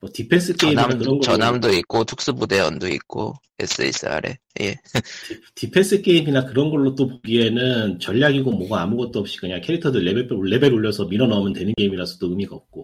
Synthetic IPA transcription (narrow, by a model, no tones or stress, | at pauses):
mʌtipʰe̞ns͈ʰɯk͈eimniamkɯʌnɡt͡ɕʌnamdoik͈otʰok̚s͈ɯbude̞ʌ̰ndoḭk̚k͈o̰ | ḛs͈ɯḛs͈ʰɯa̰ɾe̞̰ | je | tipʰe̞ns͈ʰɯk͈e̞iminakɯɾʌnɡʌɭːot͈opoɡie̞nɯnt͡ɕʌʎːaɡiɡomʌɡaamuɡʌt̚t͈oʌp̚ɕ͈i̥kɯɲakʰeɾitʰʌdɯɭːebepɭːe̞be̞ɾoʎːʌsʰʌmiɾʌnamjɯntwe̞nɯnke̞imiɾasʰʌ̥t͈oɯmiɡaʌp̚k͈o